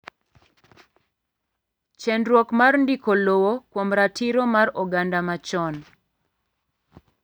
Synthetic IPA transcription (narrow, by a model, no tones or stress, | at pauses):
t͡ʃɛndɾwɔkmarndikolowokwomɾatiɾomaɾɔɡandamat͡ʃɔn